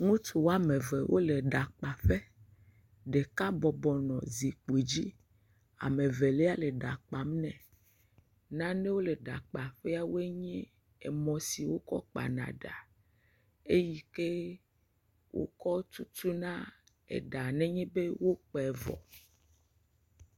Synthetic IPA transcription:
ŋũ˦t̪u˨wo˦a˦mẽ˨ve˨wʔo̰˦le˨ɖa˨k͡pa˨ɸe˦ | ɖe˨ka˦bɔ˨bɔ˨nɔ̰̃˨zi˨k͡pe˨d͡ʑi˦ | a̰˨mẽ˨ve˨le˦a˦le˨ɖa˨k͡pa˨mnɛ̃˨ | nã˦ne˦wo˦le˨ɖa˨k͡pa˨ɸɛ˦a˦wo˦e˦ɲɛ̃˦ | e˨mɔ̃˨si˨wo˦kɔ̰˦k͡pa̰˨nã̰˨ɖa̰˨ | e˦ji˦ke˦ | wʔo̰˦kɔ˦t̪u˦t̪u˦nã˦ | ḛ˨ɖa˨nɛ̃˦ɲɛ̃˦be˦wo˦k͡pɛ˨vɔ̰˨

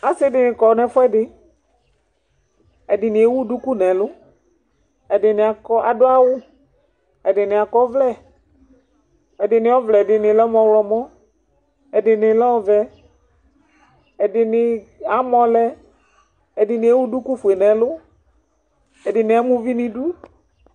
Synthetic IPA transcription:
a˨sɪ˦dɪ˨nɪ̃˨kɔ˨nɛ˨fʊ˦ɛ˦dɪ˨ | ɛ˨dɪ˨nɪ˨e˦wu˦du˦ku˦nɛ̃˨lʊ˦ | ɛ˨dɪ˨nɪ˨a˨kɔ˦a˨dʊ˦a˦wʊ˦ | ɛ˨dɪ˨nɪ̃˨a˨kɔ˦vlɛ˦˨ | ɛ˨dɪ˨nɪ̃˨ɔ˦vlɛ˨dɪ˨nɪ̃˨lɔ˦mɔ̃˧wlɔ˨mɔ̃˦ | ɛ˨dɪ˨nɪ̃˨lɔ˦ɔ˦vɛ˨ | ɛ˨dɪ˨nɪ˧a˨mɔ̃˨lɛ˦ | ɛ˨dɪ˨nɪ̃˨˦e˦wu˦du˦ku˦fu˨e˨nɛ̃˨lʊ˦ | ɛ˨dɪ˨nɪ̃˨a˨mũ˦vi˦nɪ̃˧du˦

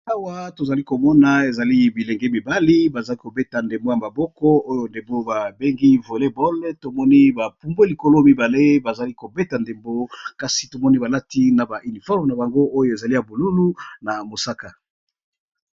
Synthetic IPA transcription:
a˦wa˦to˨za˨li˦ko˨mɔ˦na˨e˨za˨li˦bi˨le˨ŋɡe˦mi˨ba˦li˦ba˨za˨li˦ko˨be˦ta˨nde˨mbo˦ja˨ma˨bɔ˦kɔ˦o˦jo˨nde˨mbo˦ba˨be˦ŋɡi˦vo˨le˦bɔ˦lto˨mɔ˦ni˦ba˨pu˦mbo˦li˨ko˦lo˦mi˦ba˨le˦ba˨za˨li˦ko˨be˦ta˨nde˨mbo˦ka˨si̥˨to˨mɔ˦ni˦ba˨la˦ti˦na˨ba˨ʔy˨ni˨fɔ˦ʁmna˨ba˨ŋɡo˦o˦jo˨e˨za˨li˦ja˨bo˨lu˦lu˦na˨mo˨sa˦ka˨

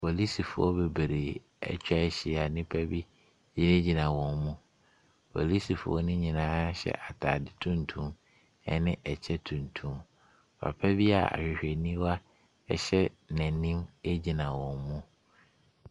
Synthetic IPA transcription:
wɔ˨li˦si˨fʊ˨ɔ˦be˨be˨ɾe˨ | ɛ̰˦˨t͡ɕᶣɛ˦ɕɪ˨a˨nɪ̃˦pʰæ˦bi˦ | d͡ʑĩ˦nẽ˦d͡ʑi˨nã˨wɔ̃˨nmũ˦ | pʰɔ̰˨li˦si˨fʊ̰˨ɔ̰˦nʊ̃˦ɲĩ˨nãː˦ɕɛ̰˨ʔa˨tʰa˨dɪ˨tʰũ˦n˨tʰũ˦m | ɛ˦nɪ̃˦ʔɛ˨t͡ɕʰɛ˦tʰũ˨ntʰũ˦m | pʰa̰˨pʰæ˦bi˦a̰˨a̰˨ɕᶣɪ˨ɕᶣɛ˨nĩ˦wa˦ | ɛ̰˦ɕɛ˦ | nɛ̃˨nĩ˦me˦d͡ʑi˨nã˨wɔ̃˨nmũ˦

